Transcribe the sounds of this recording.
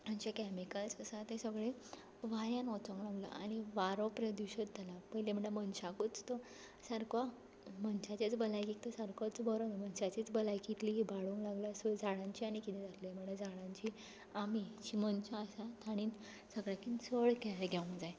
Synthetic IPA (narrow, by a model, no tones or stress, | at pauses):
mənt͡ɕakɛmikəlsəsat̪esəɡɭe | ʋajãnɔt͡sə̃ŋɡlaɡla̰ʔañiʋaɾopɾjəd̪uɕət̪d͡zalapəɦilem̤əɳəmənɕakut͡st̪ɔ | səɾka | mənɕat͡ɕat͡sbəlajkik̚t̪ɔsaɾkot͡sbəɾonm̤ənɕat͡ɕit͡sbəlajkit̪libaɽuŋklaɡləsəd͡zaɽãɲt͡ɕiañikit̪ĩd͡zat̪lem̤əɳəd͡zaɽ̃ãɲt͡ɕi | amit͡ɕimənt͡ɕaːsat̪ʰaɽ̃iːn | səɡɭakinsəɭkɛleɡʱjaũŋd͡zaj